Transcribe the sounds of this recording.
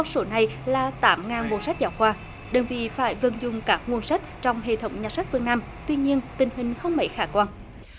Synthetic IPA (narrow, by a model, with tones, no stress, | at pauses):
a˧wso˨˦na˨˩jlaː˨˩t̪aː˨˦mŋaː˨˩nɓo˨˩sa˦˥k̟̚zaː˨˩wkwaː˧˩ | ɗə˨˩ŋvḭ˧˨faː˧˩jvə˨˩nzʊ˨˩ŋ͡mkaː˦˥k̚ŋu˧ənsa˦˥k̟̚t͡ɕɔ˧wŋ͡mɦḛ˧˨t̪ʰə˨˦wŋ͡mɲaː˨˩t̚sa˦˥k̚fɨ˧ŋnaː˧m | t̪wi˧ɲi˧ənt̪ï˨˩ŋ̟ɦï˨˩ŋ̟xə˧wŋ͡mmə̰˧˦jxaː˧˩kwaː˧n